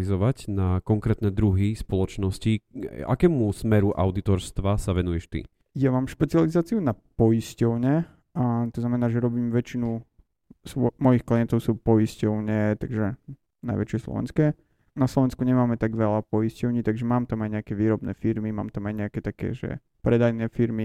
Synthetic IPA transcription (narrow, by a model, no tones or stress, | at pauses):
izɔʋacnakɔŋkɾɛːt̪nɛːd̪ɾuɦispɔlɔt͡ʃnɔscia̰kɛːmusmɛɾuʔa̰ʊd̪it̪ɔɾst̪ʋasaʋɛnujɛʃt̪ḭ | jamaːmʃpɛt͡sializaːt͡siunapɔjiscɔʊɲɛ | t̪ɔznamɛnaːʒɛɾɔbiːmʋɛt͡ʃinu | sʋɔmɔjixkliɛnt̪ɔʊsuːpɔiscɔʊɲɛt̪aɡʒɛ | na̰jʋɛ̰t͡ʃɪɛslɔ̰ʋɛ̰nskɛː | naslɔʋɛnskuɲɛmaːmɛt̪aɡʋɛʎapɔiscɔʊɲiːt̪aɡʒɛmaːmt̪amajɲɛakɛʋiːɾɔbnɛ̰ːfiɾmima̰ːmt̪amajɲɛakɛt̪akɛ̰ːʒɛ̰ | pɾɛd̪ajnɛːfiɾmi